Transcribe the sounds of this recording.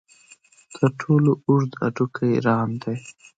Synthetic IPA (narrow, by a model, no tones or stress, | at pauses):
d̪̥əʈʰoloʊɾd̪a̰ɖukʰajɾɑmd̪aj